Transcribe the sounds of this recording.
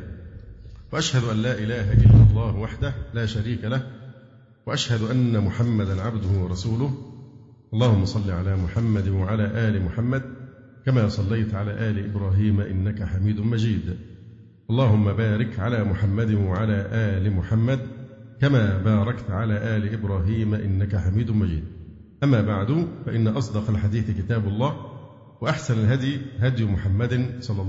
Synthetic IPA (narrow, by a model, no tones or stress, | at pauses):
waʔaʃhad̪ʊʔanlːaːʔɪlaːɦaʔɪlːɑlˤːɑːhwaħd̪ahlaːʃaɾiːkalah | waʔaʃhad̪ʊʔanːamʊħamːad̪anʕabd̪ʊhʊwɑɾˤɑsuːlʊh | ʔɑlˤːɑːhʊmːɑsˤɑlːiʕalaːmʊħamːad̪nwaʕalaːʔaːlɪmʊħamːad̪ | kamaːsˤɑlːajt̪ʕalaːʔaːlɪʔɪbɾɑːɦiːmaʔɪnːakaħamiːd̪ʊmad͡ʒiːd̪ | ʔɑlˤːɑːhʊmːabaːɾɪkʕalaːmʊħamːad̪ɪnwaʕalaːʔaːlɪmʊħamːad̪ | kamaːbaːɾˤɑkt̪ʕalaːʔæːlɪʔɪbɾˤɑːɦiːmaʔɪnːakaħamiːd̪ʊnmad͡ʒḭːd̪̚ | ʔamːaːbaʕd̪ʊfaʔɪnːaʔɑs̬ˤd̪ɑqɑlħad̪iːθɪkɪt̪aːblˤːɑː | waʔaħsanalɦad̪jɦad̪jʊmʊħamːad̪sˤɑlːɑ